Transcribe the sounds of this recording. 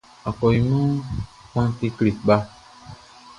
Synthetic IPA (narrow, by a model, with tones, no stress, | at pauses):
a˨kɔ˨ji˨mɔ̃˦ | kʷã˦t̪e˧kli˨ɡ͡ba˦